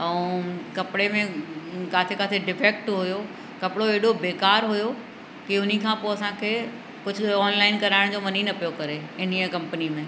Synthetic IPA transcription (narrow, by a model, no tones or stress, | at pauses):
ɛ̃ːkɐpɪɽemẽkaːt̪ʰekaːt̪ʰeɖɪfeːk̚ʈɦʊjo | kɐpɽoeːɽobeːkaːɾɦʊjo | kiʊnikʰãːpoːɐsãkʰeː | kʊd͡ʑʱʊ̆ɔːnlaːɪnkɐɾaːɪɽ̃d͡ʑoːmɐniːnɐpijokɐɾeɪniəkɐ̃mpənimẽ